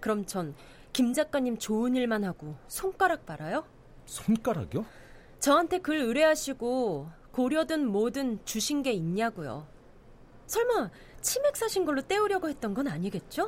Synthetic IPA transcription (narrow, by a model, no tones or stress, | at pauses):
kɯɾʌmt͡ɕʌn | kimd͡ʑak͈aɲːimt͡ɕoɯɲiɭmanhaɡosʰoŋk͈aɾak̚p͈aɾajo | sʰoŋk͈aɾa̰ɡjo | t͡ɕʌɦantʰe̞kɯɾɯɾe̞ɦaɕʰiɡo | koɾjʌdɯnmodɯnt͡ɕuɕʰinɡe̞iɲːaɡujo̰ | sʰʌɭman | t͡ɕʰime̞k̚s͈ʰaɕʰinɡʌɭːot͈e̞uɾjʌɡoɦe̞t̚t͈ʌnɡʌnaɲiɡe̞t̚t͡ɕ͈o